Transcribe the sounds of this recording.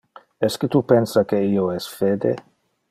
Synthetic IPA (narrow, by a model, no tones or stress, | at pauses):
ɛsket̪upɛnsakeioɛsfeːd̪ḛ